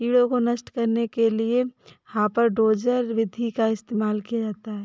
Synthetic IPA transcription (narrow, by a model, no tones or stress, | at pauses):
iːɽõkonɐʃʈkɐɾnekelieɦãpɐɾɖoːd͡ʒəɾʋɪd̪ʱikaɪst̪eːmaːlkijad͡ʒaːt̪aɦɛː